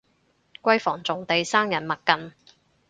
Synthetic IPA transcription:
kʷɐ˥jfɔː˨˩ŋt͡sʊ˨ŋt̪e˨jsaː˥ŋjɐ˨˩nmɐ˨t̚kːɐ˨n

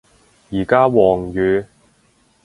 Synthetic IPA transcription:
jiː˨˩kaː˥wɔː˨˩ŋjyː˨˧

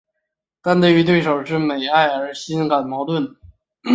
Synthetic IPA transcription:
t̪a˥˧nt̪we˥˩y˧˥t̪we˥˩ɪʂo˨˩ʊʂɻ̩˥˩me˨˩ɪa˥˧ɪə˞˧˥ɕi˥nka˨˩nmɑ˧˥ʊt̪wə˥˩n

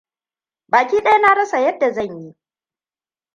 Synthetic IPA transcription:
baː˨kʲiː˦ɗɐ˦ja˦na˦ɽɐ˦sa˨jɐ˦dːa˨zɐ˦˨ɲji˦

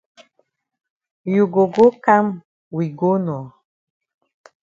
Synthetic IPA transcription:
ju˨ɡo˨ɡo˦ka˦m | wi˨ɡo˦nɔ˨

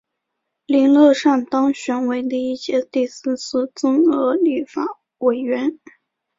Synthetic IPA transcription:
li˧˥nlɤ˥˧ʂa˥˩nt̪ɑ˥ŋɕɥɛ˧˥nwe˧˥ɪd̪ə˧i˥˩ɕjɛ˥t̪i˥˧sɹ̩˥˩t͡sʰɹ̩˥˩t͡sʊ˥ŋɤ˧˥ly˥˩fa˨˩˥ | we˨˩ɪɥɛ˧˥n

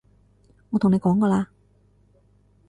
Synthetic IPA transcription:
ŋɔː˨˧t̪ʊ˨ŋne˨˧jkɔː˨˥ŋkɔː˧laː˧

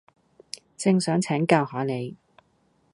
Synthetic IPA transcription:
t͡sɪ˧ŋsœː˨˥ŋt͡sʰɛː˨˥ŋkaː˧whɔː˨˥ne˨˧j

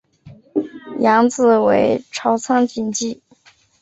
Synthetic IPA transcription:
jɑ˧˥ŋt͡sɹ̩˥˩we˧˥ɪʈ͡ʂʰɑ˧˥ʊt͡sʰɑ˥ŋt͡ɕi˧˥nt͡ɕi˥˩

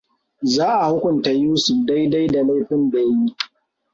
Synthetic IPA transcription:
zaː˦ʔa˨hʊ˦kʷʊ˨nta˨juː˦su˨da˦jda˦jda˨la˦jɸɪ˦ndeː˨ji˦

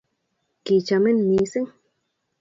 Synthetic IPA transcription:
ki˨t͡ʃa˧me˦nmi˧˦si˦ŋ

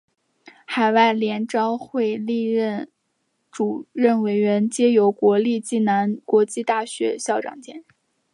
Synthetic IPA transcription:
xa˨˩ɪwa˥˩ɪljɛ˧˥nʈ͡ʂɑ˥ʊxwe˥˧ɪli˥˧ɻə˥˩n | ʈ͡ʂu˨˩ɻə˥˩nwe˧˩ɪɥɛ˧˥nt͡ɕjɛ˥jo˧˥ʊkwɔ˧˥li˥˧t͡ɕi˥˩na˧˥nkwɔ˧˥t͡ɕi˥˧t̪a˥˩ɕɥɛ̰˧˥ɕjɑ˥˩ʊʈ͡ʂɑ̰˨˩ŋt͡ɕjɛ̰˥˩n˥˩

